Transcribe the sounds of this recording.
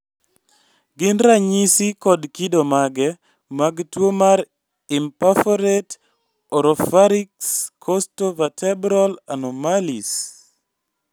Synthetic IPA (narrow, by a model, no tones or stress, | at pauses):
ɡɪnɾaɲisikɔdkidomaɡɛ | maɡtwomaɾ | impafɔɾɛt | ɔɾɔfaɾikskʰɔstovatʰɛbɾɔla̰nɔmalis